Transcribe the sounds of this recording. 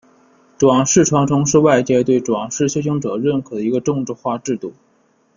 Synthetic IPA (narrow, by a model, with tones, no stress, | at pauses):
ʈ͡ʂwɑ˨˩ŋʂɻ̩˥˩ʈ͡ʂʰwɑ˧˥ŋʈ͡ʂʰʊ˧˥ŋʂɻ̩˥˧wa˥˧ɪt͡ɕjɛ˥˧t̪we˥˩ɪʈ͡ʂwɑ˨˩ŋʂɻ̩˥˩˧ɕʰjo˥ɕʰi˧˥ŋʈ͡ʂɤ˨˩ɻə˥˩nkʰɤ˨˩d̪ə˦i˧˥ɡə˧ʈ͡ʂʊ˥˧ŋʈ͡ʂɻ̩˥˧xwa˥˧ʈ͡ʂɻ̩˥˧t̪u˥˩